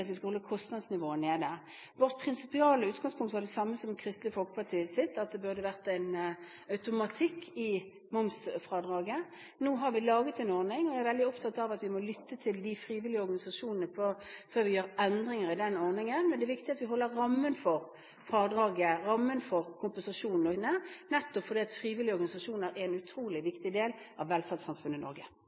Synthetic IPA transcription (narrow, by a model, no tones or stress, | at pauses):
t̪ʋɪskɑhɔlːəkʰɔst̪nɑd̪snɪʋoːəneːd̪əʁ | ʋɔʁt̪pʰʁɪnsɪ̥pɪɑːləʉːt̪ɡɑŋspʰʊŋkt̪əʋɑd̪ɛsɑmːəsɔmkʰɾɪst̪lɪəfɔlkə̥pʰɑt̪ʰiːəsɪt̪ːɑt̪̚d̪ɛbʉʁd̪əʋæʁt̪æɪn | œʉt̪ʊmɑt̪ʰɪkʰːɪ | mʊmsfʁɑːd̪ʁɑːɡə | noːɦɑɾʋɪlɑːɡət̪ɛɪnɔʁnɪŋɔææɾʋɛld̪ɪɔpt̪ʰɑt̪ːɑʋɑt̪ʋɪmɔlʏt̪ːət̪ʰɪld̪ɪfʁiːʋɪlɪəɔʁɡɑnɪsɑʂuːnənəpʰɔføːʁʋɪjøːɾɛnd̪ɾɪŋəɾɪd̪ɛnɔʁnɪŋənmɛnd̪ɛːʋɪkt̪ɪɑt̪ʋɪɦɔlːəʁɑmːənfɔʁ | fʁɑːd̪ʁɑːɡəʁɑmːənfɔʁkʰʊmpənsɑʂuːnnɔnːənɛt̪ːɔpfɔʁd̪iːɑt̪fɾiːʋɪlɪəɔʁɡɑnɪsɑʂuːnəɾɛɛnʉt̪ʰɾuːlɪʋɪkt̪ɪd̪eːlɑʋːɛlfɑt̪sɑmfʉnəɪnɔ̰ʁɡə